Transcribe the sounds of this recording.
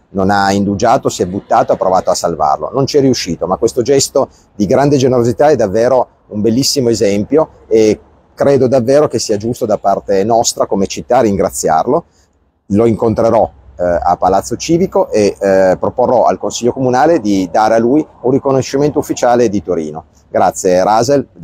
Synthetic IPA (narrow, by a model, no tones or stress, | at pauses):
nonaind̪ud͡ʒaːt̪osiɛbut̪ːaːt̪oapːɾovaːt̪oasalva̰rlo̰nont͡ʃiɛrːiuʃiːt̪omakwest̪od͡ʒɛst̪o | d̪iɡɾand̪ed͡ʒeneɾozit̪aɛd̪avːeːɾo | umbelːisːimoezɛmpjo | e | kɾeːd̪od̪avːeːɾokesːiːad͡ʒust̪od̪apːart̪enɔst̪ɾakomet͡ʃit̪ːaːrːiŋɡɾat̪sːja̰rlo | loiŋkont̪ɾeɾɔa̰pːalat̪sːot͡ʃiːvikoʔepɾoporːɔa̰lkonsilʎːokomunaːled̪id̪aːɾealujunrːikonoʃːiment̪oufːit͡ʃaːled̪it̪oɾḭːno | ɡɾat̪sːjeɾaːzel